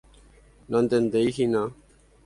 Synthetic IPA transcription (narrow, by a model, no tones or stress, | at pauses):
nɔnd̪end̪ejhina